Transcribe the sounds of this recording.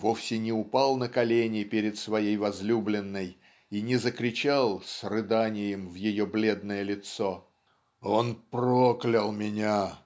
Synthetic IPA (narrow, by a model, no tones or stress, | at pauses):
vo̞fsʲɪnʲɪʊpɑlˠnəkɐlʲenʲɪpʲeɾʲɪt̪svɐjejvɐzlʲublʲɪnːəj | inʲɪzəkɾʲɪt͡ɕalˠsrɨd̪anʲɪjɪmvjɪjoblʲe̞d̪nəjəlʲɪt̪so | onproklʲɪlˠmʲɪnʲa